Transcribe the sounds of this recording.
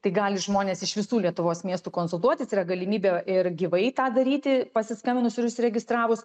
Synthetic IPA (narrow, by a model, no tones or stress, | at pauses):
t̪ɐɪɡɑːlʲɪʒmoːnʲeːsɪʃʋʲɪsuːlʲiɛt̪ʊʋoːsmʲiɛst̪uːkoːnsʊlˠt̪uɔt̪ʲɪsiːrɾɐɡɐlʲɪmʲiːbʲɛɪrɡʲiʋɐɪt̪ɑːd̪ɐɾʲiːt̪ʲɪpɐsʲɪskɐmʲɪnʊsɪɾʊʃsʲɾʲɛɡʲɪst̪ɾɑːʋʊs